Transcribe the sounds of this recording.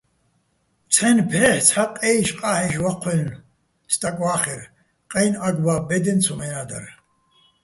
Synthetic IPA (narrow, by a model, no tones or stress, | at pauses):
t͡sʰɛnpʰɛħt͡sʰħaqʼɛjʃqʼaħɛʃwaqʷʰɛn | st̪ʼakʼwaːχɛɾ | qʼɛjnaɡbabɛd̪ɛnt͡sʰumɛnad̪a̰r